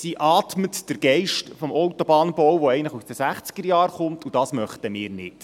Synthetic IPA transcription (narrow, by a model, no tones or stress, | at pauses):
siʔɑːt̪mətd̥əɾɡ̥ɛɪʃtfɔmɔwtɔbɑːnbɔwʋoɛɪnləχusd̥əsæχt͡sɡ̥əɾjɑːɾχʊmt̪ʰud̥ɑːsmœχtəmɪːɾnɪ̰t